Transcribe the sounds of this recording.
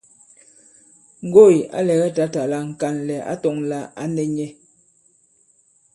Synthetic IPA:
ŋ̩˨ɡo˦˨i˨ʔa̰˦lɛ˨ɣɛ˦ta˨ta˨la˨˦ŋ̩˨ka˨nlɛ˨a̰˦tɔ˨ŋla˨a˦nɛ˨ɲɛ˦

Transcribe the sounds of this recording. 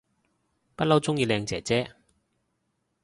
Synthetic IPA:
pɐ˥t̚lɐ˥wt͡sʊ˥ŋjiː˧lɛː˧ŋt͡sɛː˨˩t͡sɛː˥

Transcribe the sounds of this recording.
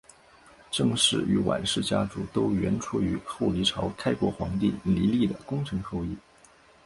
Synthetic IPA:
ʈ͡ʂɤ˥˧ŋʂɻ̩˥˩y˧˥wa̰˨˩nʂɻ̩˥˩t͡ɕja̰˥ʈ͡ʂu˨˩t̪o˥ʊɥɛ˧˥nʈ͡ʂʰu˥y˧˥xo˥˩ʊli˧˥ʈ͡ʂʰɑ˧˥ʊkʰa˥ɪkwɔ˧˥xwɑ̰˧˥ŋt̪i˥˩ŋli˧˥li˥˩d̪ə˩kʊ˥ŋʈ͡ʂʰɤ˧˥ŋxo˥˧ʊi˥˩

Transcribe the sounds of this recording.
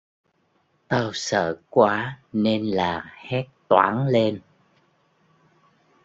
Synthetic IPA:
t̪aː˧wsə̰ː˧˨kwaː˨˦ne˧nlaː˨˩hɛ˦˥t̚t̪wa̰ː˨˦nle˧n

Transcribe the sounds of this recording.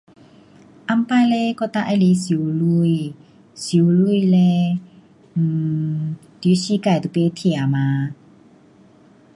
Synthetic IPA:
ʔa˧˨mpa˧˨lɛ˧kɔ˧t̪a˧ʔa˧jle˨˧˦si˨˦wlu˧˨j | si˨˦wlu˧˥˨jlɛ˧˨ | t̪i˨˦si˧˦kaː˨˩jt̪u˧˨pe˧˦t̪ʰe˧˨a˨ma˨˧˦

